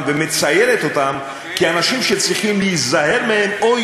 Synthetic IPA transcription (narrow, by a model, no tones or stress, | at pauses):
vemet͡sajelet̪ot̪am | kianaʃimʃet͡sʁiχimliizaɦe̞ʁmehemo